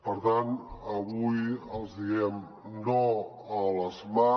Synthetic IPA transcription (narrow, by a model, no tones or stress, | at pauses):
pəɾt̪anəβujəlˠzðiɣɛm | no | ələzma